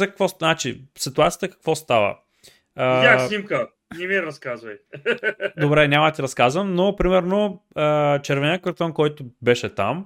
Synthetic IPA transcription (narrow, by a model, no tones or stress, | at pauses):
zɐkɐ̥kvɔnat͡ʃisit̪uat̪sijət̪əkɐ̥kvɔst̪avə̰ | əasnʲimkə | nɛmiɾɐskazvɐj | d̪obɾɛnʲamɐt̪iɾɐskazvəmnopɾimɛɾnoət͡ʃɛɾvɛnʲəkɐɾt̪ɔnkɔjt̪ʊbɛʃɛt̪a̰m